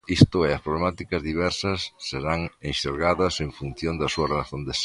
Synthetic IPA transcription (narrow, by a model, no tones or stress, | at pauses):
ist̪ʊɛɐspɾoβlemat̪ikɐzðiβɛɾsɐsːeɾaŋẽnʃeɾɣaðɐseɱfun̟θjõnd̪ɐsuɐrelaθond̪es